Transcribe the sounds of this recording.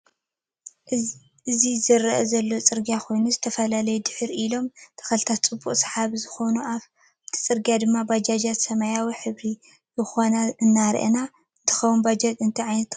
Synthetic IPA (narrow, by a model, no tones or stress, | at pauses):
ɨzizɨɾɐʔɐzɐlːo̞t͡sʼɨɾɡjakʰo̞jnuzɨt̪ʰɐfɐlalɐjud̪ɨħɨɾilo̞mt̪ʰɐ̥xɐlɨt̪ʰat̪t͡sʼɨbːuχʼsħaβzɨxo̞nuʔaβ | t̪ʰi̥t͡sʼɨɾɡijad̪ɨmːabad͡ʒad͡ʒat̪sɐmajawiħɨβɾi | zɨxo̞naɨnːaɾʔɐ̰na | ɨnt̪ʰɨ̥xɐwunbad͡ʒɐt̪ʼɨnt̪ʰiʕajnɐt̪